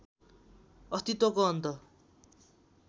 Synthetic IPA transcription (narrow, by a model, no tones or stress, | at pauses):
ʌst̪it̪wʌkoʌnt̪ʌ